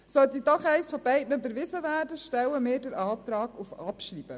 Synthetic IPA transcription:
sœlt̪idɑχɛɪsfɔbɛɪtnəøbəɾʋɪzəvæːrdəʃtɛwəmɪːɾdəɾɑːt̪ɾɑːɡ̥ufɑpʃriːb̥ə

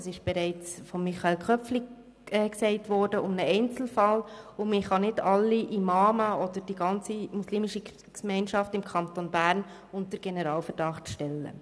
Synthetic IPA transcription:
sɪʃb̥ɛɾɛɪt͡sfɔmːiχɑɛlkʰχœpfli | ɛksɛɪtʋɔːɾdəʊmnəɛɪnt͡sl̩fɑlʊmɪχɑnɪdɑlːiʔimɑːməɔd̥̪əɾd̥iɡɑnt͡simusliːmiʃi | kmɛɪnʃɑftɪmkʰɑntonbæːɾn | ʊnt̚əɾɡ̥ɛnəɾɑːlfəɾd̥ɑχtʃtɛlːə̰

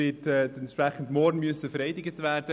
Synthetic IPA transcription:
ɪːtɛːdɛnt̪ʃpɾæχən̩dmɔɾnmyəsːəfəɾɛɪdɪɡətʋæːɾd̥ə

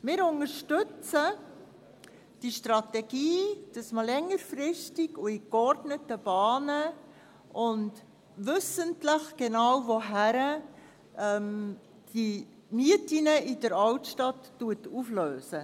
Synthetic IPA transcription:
mɪːɾʊnəɾʃtʏt͡sə | d̥iʃtrɑtɛɡiːd̥ɑsməlɛŋːəɾfrɪstiɡʊikɔrdnətəb̥ɑːnə | ʔʊnt | ʋɵsəntləχɡ̥enɑwvoɦæɾə | ʔɛm | d̥i | miətinəidəɾɑwtʃtɑtːuətufløːsə

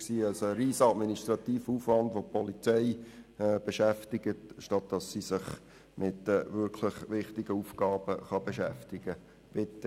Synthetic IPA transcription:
siːɑlsoəɾiːsəɑtminiʃtɾɑt̪iːfəuːfvɑndʋopɔlit͡sɛɪb̥eʃæftɪɡətʃtɑt̚d̥ɑsːisɪχ | mʔɪtːʋʏɾkʰlɪχʋɪχtɪɡ̥əuːfɡɑːb̥əχɑb̥eʃæftɪɡ̥ə | b̥ɪtːə

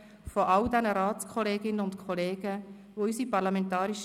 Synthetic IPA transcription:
fɔʔɑldɛnəɾaːt͡skʰɔleːɡɪnəʊntkʰɔleːɡ̥ə | ʋoysipɑɾlɑmɛntɑːɾiʃ

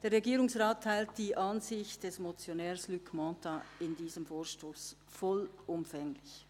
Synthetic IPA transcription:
d̥eːɾʁeɡiːɾʊŋsʁaːtʰːaɪlt̚d̥iːʔɑnzɪçtd̥ɛsmot͡sjonɛːɾslykmɑːtaɪndiːzəmfoːʃtoːs | fɔlʔʊmfɛŋlɪç

